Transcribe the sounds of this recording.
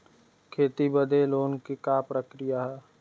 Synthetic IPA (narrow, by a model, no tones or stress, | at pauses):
kʰeːt̪ibəd̪eloːnkikaːpɾəkɾɪjaɦɛː